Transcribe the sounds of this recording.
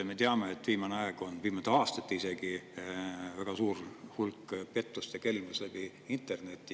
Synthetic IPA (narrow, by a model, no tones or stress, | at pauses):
me̞t̪eɑmeet̪ːˑviːmɑneɑeɡ̥o̞nviːmɑt̪eɑːst̪ɑt̪ːise̞ɡ̥i | væɡ̥ɑsuːɾhulkːpe̞t̪ˑːust̪eke̞lmuslæb̥i | int̪ˑe̞rne̞t̪ːˑi